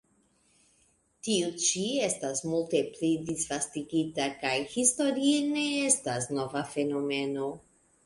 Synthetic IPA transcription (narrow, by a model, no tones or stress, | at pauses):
tiut͡ʃie̞stasmulte̞plidisfastiɡitakajhisto̞ɾiene̞e̞stasno̞vafe̞no̞me̞no̞